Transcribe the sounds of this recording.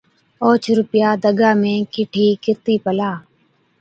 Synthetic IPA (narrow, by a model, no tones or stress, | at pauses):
oːt͡ʃʰɾʊpɪjaːd̪əɡaːmẽːkɪʈʰiːkɪɾt̪iːpəlaː